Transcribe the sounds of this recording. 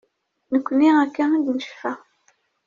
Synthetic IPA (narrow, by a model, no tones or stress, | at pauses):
nəkʷːənːiækːæænd̪nəʃfæ